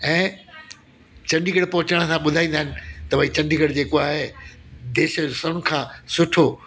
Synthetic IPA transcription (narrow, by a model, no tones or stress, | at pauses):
ɛ̃ː | t͡ɕɐ̃ɳɖʱiɡəɽpɔɦʊt͡ɕəɽ̃̆sãɓʊd̪ʱaːĩːnd̪aɦɪnɪ̆t̪ɐʋɐĩt͡ɕɐ̃ɳɖʱiɡəɽd͡ʑeːkoaːɦed̪eːʃsəʊ̃nɪ̆kʰãːsʊʈʰo